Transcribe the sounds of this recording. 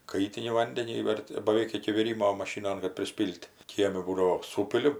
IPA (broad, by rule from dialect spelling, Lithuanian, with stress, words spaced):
ˈkɐɪtʲɪnʲɪ ˈʋɐnʲdʲɛnʲiː ˈʋʲɛrʲdʲɪ bɐˈʋʲɛɪk ɪkʲɪ ʋʲɪˈrʲiːmoː mɐˈʃʲiːnoːn kɐt pʲrʲɪˈsʲpʲiːlʲtʲ ˈkʲiɛmʲɪ ˈbuːdɐʋoː ˈsuːpʲɪlʲɪ